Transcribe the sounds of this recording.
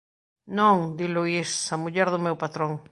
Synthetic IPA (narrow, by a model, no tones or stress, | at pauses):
nõŋd̪iluisːamuʎɛɾðʊmewpat̪ɾõŋ